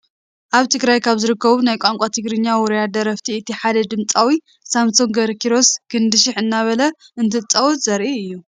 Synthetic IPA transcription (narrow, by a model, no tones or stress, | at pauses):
ʔaβt̪ʰɨɡɾajkʰaβzɨɾɨkːɐβunajkʷʼaŋkʷʼat̪ʰɨɡɾɨɲːawɔɾjad̪ɐɾɐft̪ʰiɨt̪ʰiħad̪ɐd̪ɨmt͡sʼawi | samsoŋɡɐɾkʰiɾo̞skʰɨnd̪ɨʃɪħɨnːaβɐlɐʔɨnt̪ʰɨt͡sʼːɐwɔt̪zɐɾʔiɨjːu